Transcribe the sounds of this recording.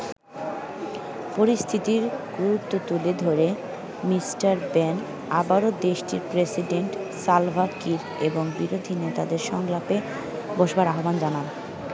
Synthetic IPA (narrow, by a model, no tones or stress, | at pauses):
poɾist̪ʰit̪iɾɡ̥uɾut̪ːot̪uled̪ʱoɾe | misʈaɾbɛn | abaɾod̪eʃʈiɾpɾesiɖeɳʈsalvakiɾ | eboŋbiɾod̪ʱinet̪ad̪eɾʃɔŋlape | boʃbaɾaɦoband͡ʑanan